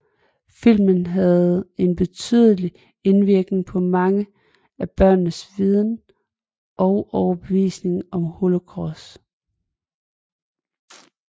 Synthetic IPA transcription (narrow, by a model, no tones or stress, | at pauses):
fil̰mənɦæð̩ˠe̝nb̥e̝t͡sʰy̰ðˠəli | e̝nʋiɐɡ̥ne̝ŋpʰɒ̽mɑ̈ŋə | æb̥ɶɐ̰nːəsʋið̞ˠn | ʔɒ̽ʊʔɒʊɐb̥e̝ʋḭːsne̝ŋɒ̽mho̝lo̝kʰʁɒs